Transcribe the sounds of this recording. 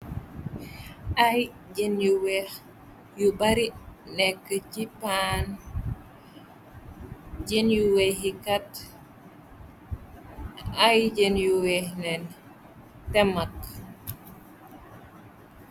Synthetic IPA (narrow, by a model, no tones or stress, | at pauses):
aj | ɟenjuwɛh | jubaɾinɛkːəcipan | ɟenjuwɛɦikat | ajɟenjuwɛhnɛn | tɛmak